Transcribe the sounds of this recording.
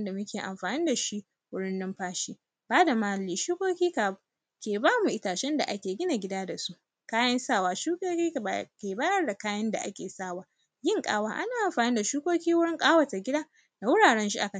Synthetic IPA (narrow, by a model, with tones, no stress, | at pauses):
nda˨mʊ˦kʲeː˨ʔa̰˨mɸaː˨nɪ˦nda˨ʃi˦ʔ | wʊ˦ɽɪ˦nːɪ˦mɸaː˦ʃiː˦ | baː˦da˨maː˦˨liː˦ʃuː˦kʷoː˦kʲiː˦ka˨ | kʲeː˨baː˦mu˨ʔɪ˦taː˨ʃɛ˦nda̰˨ʔa˦kʲeː˨ɡʲɪ˦na˨ɡʲɪ˦daː˦da˨su˦ʔ | kaː˦jɐ˦nsaː˦˨waː˦ʃu˦koː˦kʲiː˦˨a˨kʲeː˨baː˦jɐ˦rda˨kaː˦jɐ˦nda̰˨ʔa̰˦kʲḛː˨saː˦˨waː˨ | jɪ˦ŋkʼa̰ː˦waː˦ʔa˦naː˨ʔa˨mɸaː˨nɪ˦nda˨ʃuː˦kʷoː˦kʲiː˦wʊ˦ɽɪ˦ŋkʼaː˦wɐ˨ta˨ɡʲɪ˦daː˦ | da˨wʊ˦ɽaː˨ɽɛ˦nʃ̬i˦ʔa˨kɐ˦˨